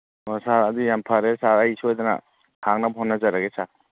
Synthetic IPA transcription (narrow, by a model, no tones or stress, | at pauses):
saɾɐd̪ujampʰaɾesaɾɐjsuojd̪ɐnɐ̰ | haŋnabɦɔnːɐzaɾaɡesa